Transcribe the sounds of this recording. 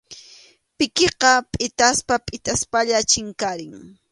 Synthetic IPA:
pɪkeqɑpʼɪt̪aspapʼɪt̪aspaʎat͡ʃɪŋkaɾɪŋ

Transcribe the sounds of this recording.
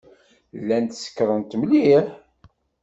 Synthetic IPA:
lːænt̪sə̥kːɾənt̪mliħ

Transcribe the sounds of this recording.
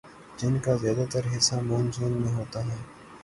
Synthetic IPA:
d͡ʒɪnkazjaːd̪at̪əɾɦɪsːamoːnzuːnmẽɦoːt̪aɦɛː

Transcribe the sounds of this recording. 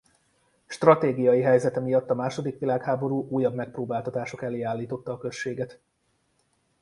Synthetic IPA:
ʃt̪rɒt̪eːɡijɒjiɦɛjzɛt̪ɛmijɒt̪ːɒmaːʃo̞d̪ikʋilaːkhaːbo̞ɾuːʔuːjːɒbmɛk̚proːbaːlt̪ɒt̪aːʃo̞kɛleːaːlːiːt̪o̞t̪ːɒːkø̞ʃːeːɡɛt̪

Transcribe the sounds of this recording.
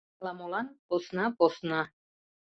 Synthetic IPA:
lamolanposnapɔsna

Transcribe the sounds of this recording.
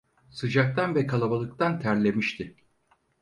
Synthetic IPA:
sɯd͡ʒak̚t̪ʰanvɛkʰalˠabalˠɯk̚t̪ʰant̪ʰæɾlʲe̞miʃt̪ʰɪ

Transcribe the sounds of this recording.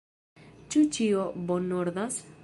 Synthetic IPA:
t͡ʃut͡ʃiobonoɾðas

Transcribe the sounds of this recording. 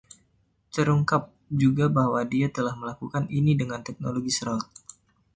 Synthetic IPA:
t̪əɾuŋkap̚ | d͡ʒuɡabahwadiat̪əlahməlakukaninidəŋant̪ɛk̚noloɡisɾɔt̪̚

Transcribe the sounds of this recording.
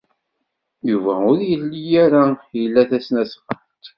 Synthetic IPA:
juvæʊɾjəlːijæɾajəlːæθæsnæsfənt̪

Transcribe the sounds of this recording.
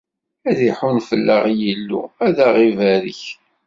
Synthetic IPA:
æðiħunfəlːə̰ʁjilːṵæðaʁivæɾḭç

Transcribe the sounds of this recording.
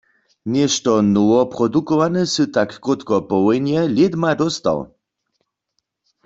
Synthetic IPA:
njɛʃtɔnowɔpʁɔdukɔʋanɛsɨt̪akːot̪kɔpɔwɔjnjɛljedmadɔst̪a̰w

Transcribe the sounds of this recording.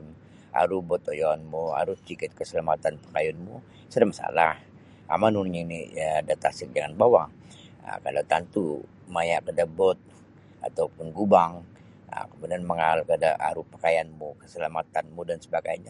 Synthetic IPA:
m | a̰ɾubɔt̪ojɔanmua̰ɾut͡ʃikɪt̪̚kəsəlamat̪anpə̥kajunmu | sədamasa̰lah | a̰manunɲinḭdat̪asɪk̚d͡ʒaŋanbawaŋ | ə̰kalat̪ant̪u | majaʔkədabɔt̪̚ | a̰t̪awpʊnɡubaŋ | ə̰kəmudianməŋalkadaʔa̰ɾupəkajanmukə̥səlamat̪anmudansəbaɡajɲa

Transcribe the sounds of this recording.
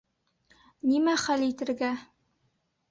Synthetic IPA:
nimæχælit̪ɘ̆ɾɡæ

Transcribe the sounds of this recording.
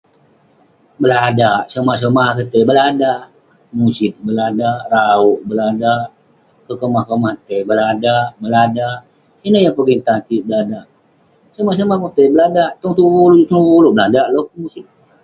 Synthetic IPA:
bəladaʔsəmaʔs̬əmahkət̪əbəladaʔ | musɪt̪̚bəladaʔrauʔbəladaʔ | kəkəmahkəmat̪əbəladaʔbəladaʔ | inəjaŋpəɡiŋt̪at̪iʔbəladaʔ | səmaʔs̬əmahkot̪əbəladaʔt̪ɔŋt̪uwult̪ɔŋuwulobəladaʔlohmusɪt̪̚

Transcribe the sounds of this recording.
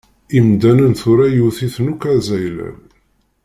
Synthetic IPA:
imd̪ænənθʊɾæjuθiθnukæzæjlæ̰

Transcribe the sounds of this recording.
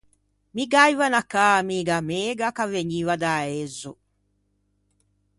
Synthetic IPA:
miɡajwanakaːmiɡameːɡakaveɲiwad̪aɛzɔ

